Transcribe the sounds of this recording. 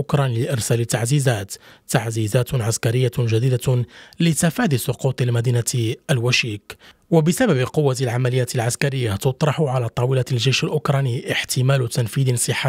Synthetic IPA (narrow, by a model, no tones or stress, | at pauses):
ʔʊkɾˤɑnilɪʔɪɾˤsæːlɪt̪ːaʕziːzæːt̪ːaʕziːzæːt̪ʕaskaɾɪjːaʒæd̪iːd̪alɪt̪afaːd̪ɪsˤʊquːt̪ˤɪlmæd̪iːnaʔælwæʃiːkwabɪsababɪqʊwːalʕamælɪjːaːt̪ɪlʕaskaɾɪjːat̪ʊt̪ˤɾˤɑħʊʕalat̪ˤɑːwɪlalʒæjʃɪlʔʊkɾˤɑniʔɪħt̪ʰɪmæːlʊt̪anfiːd̪ɪnsˤəħːa